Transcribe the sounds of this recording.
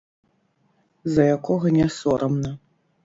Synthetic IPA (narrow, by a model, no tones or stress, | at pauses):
zɐjakɔɣɐnʲɛsɔɾɐmnɐ